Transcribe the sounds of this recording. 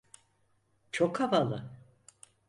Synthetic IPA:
t͡ʃʰokhavalˠɯ

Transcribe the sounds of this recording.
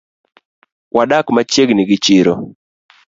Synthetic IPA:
wʔaɗakmat͡ʃeɡnɪɡɪt͡ʃɪɾɔ

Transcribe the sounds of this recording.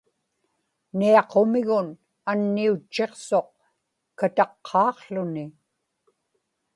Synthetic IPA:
niɑqo̞mɪɣʊn | anːiut͡ʃːe̞qso̞q̚ | kat̪ɑqʰːɑːqɬʊnɪ

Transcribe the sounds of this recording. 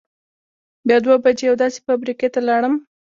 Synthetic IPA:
bjɑd̪wabad͡ʒejawd̪ɑse̥fabɾiket̪alaɽəm

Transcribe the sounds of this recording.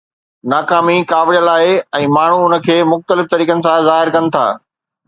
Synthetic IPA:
naːkaːmikaːʋɽijəlaːɦeɛ̃ːmaːɳ̤uʊnə̆kʰeːmʊxt̪əlɪft̪ɐɾiːkənɪ̆sãzaːɦɪɾkɐnɪ̆t̪ʰa̰ː

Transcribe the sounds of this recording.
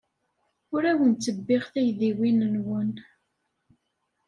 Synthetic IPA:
ʊɾæwənt͡sːəbːɪʁθæjðiwinənwən

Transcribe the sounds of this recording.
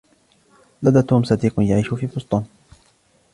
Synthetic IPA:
lad̪aːt̪uːmsɑd̪iːqʊnjaʕiːʃʊfiːfʊst̪ˤɑːn

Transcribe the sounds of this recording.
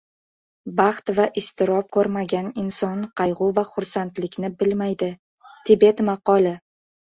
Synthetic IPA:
bɑχt̪vaʔɪst̪ɪɾɒp̚kʰɵɾmaɡʲanɪnsɒnqʰɑjʁʊvaχʊɾsant̪lɪkʲnɪbɪlmajd̪ɪ | t̪ʰɪbe̞t̪mɑqɒlˠɪ

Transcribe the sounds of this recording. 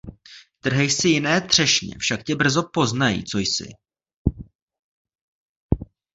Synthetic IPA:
t̪r̩ɦɪjsɪjɪnɛːt̪r̝̥ɛʃɲɛ̰fʃakcɛbr̩zo̞po̞znajḭt͡so̞jsɪ̰

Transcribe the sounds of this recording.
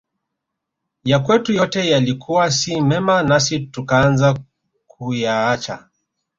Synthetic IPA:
jakwɛtujɔtɛjalikʰuwasimɛmanasitukaanza | k̚ʰujaat͡ʃa̰

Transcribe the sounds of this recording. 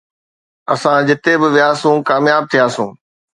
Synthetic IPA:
ɐsãd͡ʑɪt̪ebɪʋɪjaːsũːkaːmjaːb̚t̪ʰijaːsũː

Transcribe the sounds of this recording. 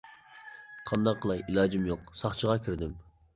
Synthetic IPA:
qʰɑnd̪ɑqʰːəlˠɑjʔilˠɑːd͡ʒɪmjoqsɑχt͡ʃʰəʁɑkʲʰiɾd̪ɪm

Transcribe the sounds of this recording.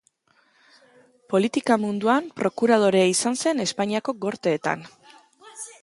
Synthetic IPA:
po̞lit̪ikamund̪uampɾo̞kuɾað̞o̞ɾeaisanse̞ne̞spaɲiako̞ɡo̞ɾt̪e̞ːt̪a̰n

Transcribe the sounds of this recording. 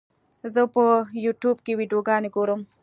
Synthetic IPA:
zəpəjuːʈjuːbkewiːɖjoɡɑːneɡoɾəm

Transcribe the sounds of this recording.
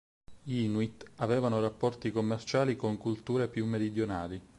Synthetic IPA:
jinwit̪avɛːvanorapːɔrt̪ikomːert͡ʃaːlikoŋkult̪uːɾepjumːeɾid̪jonaːli

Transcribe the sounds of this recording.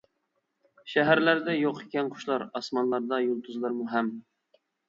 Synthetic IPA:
ʃæɦæɾlæɾd̪ɛjoqeɛnqʰʊ̥ʃlˠɑɾɑsmɑnlˠɑɾd̪ɑjolˠt̪ʰuzlˠɑɾmuɦɛm

